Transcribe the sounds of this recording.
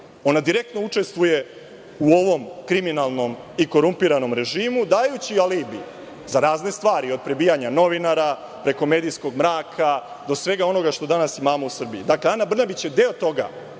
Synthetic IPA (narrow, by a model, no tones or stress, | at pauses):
o̞nad̪iɾe̞k̚t̪no̞ut͡ʂe̞st̪ʋuje̞ | uo̞ʋo̞mkɾiminalˠno̞m | iko̞ɾumpiɾano̞mɾe̞ʒiːmud̪aːjut͡ɕialibi | zaɾaːzne̞st̪ʋaːɾio̞d̪̚pɾe̞biːjaɲano̞ʋinaɾa | pɾe̞ko̞me̞ːd̪ijsko̞ɡmɾaːkʰa | d̪o̞sʋe̞ɡao̞no̞ɡaʃt̪o̞d̪anasimaːmo̞usr̩biid̪akleanabr̩nabit͡ɕje̞d̪e̞ot̪o̞ɡa̰